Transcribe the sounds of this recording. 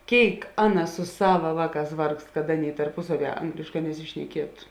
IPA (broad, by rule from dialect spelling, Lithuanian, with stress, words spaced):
ˈkʲeːɪk ˈɑːˌnɐ sʊ ˈsɑːʋɐ ˈʋɑːˌkɑːs ˈʋɐrkst kɐt ˈɑːˌnʲeːɪ tɐrˈpʊsɐˌʋʲiɛ ˈɐŋɡlʲeːʃˌkɑː nʲɛsʲɪʃʲnʲɛˈkʲiɛtʊ